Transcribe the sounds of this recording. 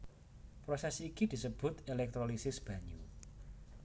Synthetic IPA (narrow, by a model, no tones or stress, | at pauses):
pɾosɛsikid̪̥i̤səb̥ʊ̤t̪elɛk̚t̪ɾolisɪsb̥ä̤ɲu